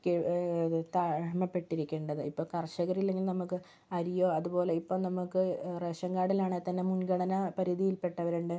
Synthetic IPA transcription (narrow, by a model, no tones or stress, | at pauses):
ket̪amɐpːe̞ʈːiɾikʲːe̞ːɳɖɐðɨipːoːkɐrʂɐɣɐɾilːe̞ŋɡilnɐmukːɨ | ɐɾijo̞ːɐðubo̞ːle̞ipːoːnɐmukːɨreːʂɐŋɡaːɽilaːɳet̪ːɐnːemunɡɐɽɐnɐpɐɾiðijilpe̞ʈːɐʋɐɾuɳɖe